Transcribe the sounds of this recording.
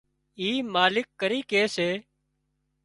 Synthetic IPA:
iːmaːlɪkːəɾiːkeːseː

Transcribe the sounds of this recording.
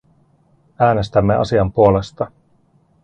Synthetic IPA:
æːne̞st̪æmːe̞ʔɑ̰siɑmpuo̞le̞st̪ɑ

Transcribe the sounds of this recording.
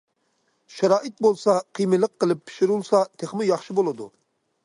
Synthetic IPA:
ʃɑɾɑːʔɪt̪̚bolˠsɑqʰijmɨlˠəqːəlˠɪpʰːɪ̥ʃɪɾulˠsɑt̪ʰeχmɪjɑχʃɨbolˠɨd̪ṵ

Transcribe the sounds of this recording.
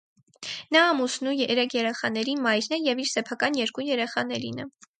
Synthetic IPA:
nɑːmusnujɛɾɛkʰjɛɾɛχɑnɛɾimɑjɾnɛjɛviɾsɛpʰɑkɑnjɛɾkujɛɾɛχɑnɛɾinɛ

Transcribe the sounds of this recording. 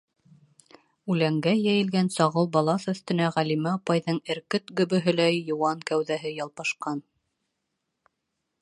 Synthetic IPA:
ʉlæŋɡæjæjɘ̆lɡænsɑʁɤlˠbɑlˠɑsɵ̆θt̪ɘ̆næʁælimæɑpɑjðɤɴɘ̆ɾkɘt̪ɡɵ̆βɵ̆ɦɘ̆læjːŏwɑnkæwðæɦɘjɑlˠpɑʃqɑn

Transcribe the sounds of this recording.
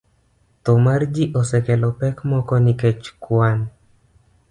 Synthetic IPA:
t̪ɔmard͡ʒiʔɔsɛkɛlɔpɛkmɔkɔnɪket͡ʃkwan

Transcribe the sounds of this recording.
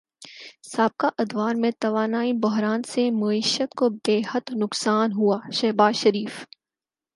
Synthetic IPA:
saːb̚kaʔɐd̪waːɾmẽt̪ɐʋaːnaːibʊɦɾaːnsemɐiːʃət̪kobeːɦət̪nʊksaːnɦuaːʃɛɦbaːzʃɐɾiːf

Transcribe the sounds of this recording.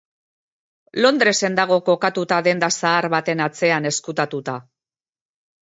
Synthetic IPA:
lo̞nd̪ɾe̞se̞nd̪aɣ̞o̞ko̞kat̪ut̪aðe̞nd̪asaːɾβat̪e̞nat͡se̞ane̞skut̪at̪ut̪a

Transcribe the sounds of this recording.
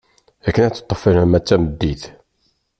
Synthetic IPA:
ækːənæt͡sːə̥t̪ˤːəfəɾæmæt͡sːæməd̪ːiθ

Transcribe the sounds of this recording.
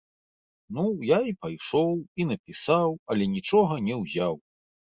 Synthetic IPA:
nujaipajʂɔwinɐpʲisawɐlʲɛnʲit͡ʂɔɣɐnʲɛwzʲaw

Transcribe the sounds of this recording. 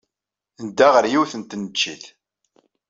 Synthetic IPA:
nd̪aʁəɾjiwθənt̪nət͡ʃːiθ

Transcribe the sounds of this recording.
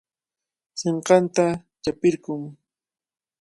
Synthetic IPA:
seɴqɑnt̪at͡ʃapɪɾkʊŋ

